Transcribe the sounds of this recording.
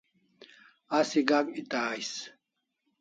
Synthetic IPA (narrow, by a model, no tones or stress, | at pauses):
asiɡakit̪aːjs